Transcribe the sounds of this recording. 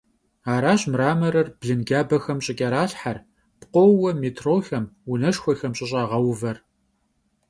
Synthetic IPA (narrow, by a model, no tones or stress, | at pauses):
aːɾaːɕmraːmɐɾɐrbɮɨnɡʲaːbɐxɐmɕʼɪkʼɐɾaːɬħar | pqʷɔwwɐmiːtʰroːxɐmunɐʂxʷɔxɐmɕʼɪɕ̬ʼaːʁɐwvɐr